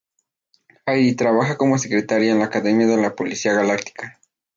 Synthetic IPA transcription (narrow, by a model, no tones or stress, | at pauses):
ajit̪ɾaβaxako̞mo̞s̬e̞kɾe̞t̪aɾjaenlaːkaðe̞mjaðe̞lapo̞lisiaɣalak̚t̪i̥ka